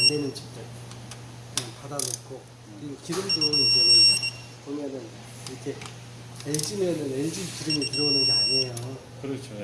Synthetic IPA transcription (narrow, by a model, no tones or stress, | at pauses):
andenɯnt͡ɕʰit͈e | kɯnjanpadanok͈ʰo | iɯnkiɾɯmdoid͡ʑenɯn | pomjʌnɯn | iɾʌkʰe | eɭd͡ʑimenɯneɭd͡ʑimkiɾɯmikiɾounɯnɡeaɲejo | kɯɾt͡ɕʰo